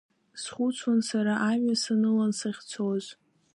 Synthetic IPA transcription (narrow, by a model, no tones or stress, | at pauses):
sχut͡sʰwansaɾaʔamɥasanɨlansaχʲt͡sʰoz